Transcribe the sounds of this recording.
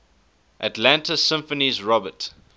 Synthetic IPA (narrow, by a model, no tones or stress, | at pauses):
ʔatlæ̃ntʰəsɪ̃mfənizɹɔbət